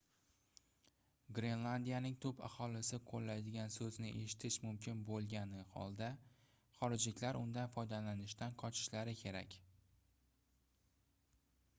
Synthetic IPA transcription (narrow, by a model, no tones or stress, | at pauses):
ɡɾe̞nlˠand̪ijanɪŋt̪ʰɵpʰa̰hɒlɪsɪqʰolːajd̪ɪɡʲansɵznɪʔe̞̰ʃɪ̥t̪ʰɪʃmʊmkʲʰɪnbolˠɡʲanɪhɒ̰lˠd̪a | χɒɾɪd͡ʒlɪkʲlaɾʔʊnd̪anfɒjd̪alanɪʃt̪anqʰɒt͡ʃʰɪ̥ʃlaɾɪkʲʰe̞ɾa̰kʲ